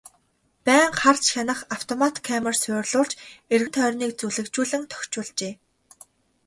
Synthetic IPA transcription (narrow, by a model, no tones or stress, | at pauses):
pæːŋχart͡ɕxʲanə̆χaw̥t̪ʰɔmat̪kʰæmə̆rsʊːrɮʊːrt͡ɕerɣɘnt̪ʰœːrʲniːk̚t͡suɮɘ̆kt͡ɕuːɮɘ̆ŋt̪ʰœ̥xʲt͡ɕʊːɮt͡ɕeː